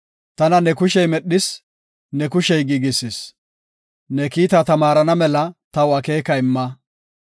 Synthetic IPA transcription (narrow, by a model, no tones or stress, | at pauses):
t̪ɐnɐnɛkʊʃɛjmɛɗːɪs | nɛkʊʃɛjɡiːɡɪsɪs | nɛkiːt̪at̪ɐmaːɾɐnɐmɛlɐt̪ɐwɐke̞ːkɐɪmːɐ